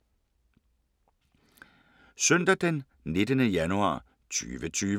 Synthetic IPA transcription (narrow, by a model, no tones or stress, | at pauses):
sœnd̥æd̥en | ne̝d̥ənəjænuɑ̰̈ː | t͡sʰy̰ːʋət͡sʰyː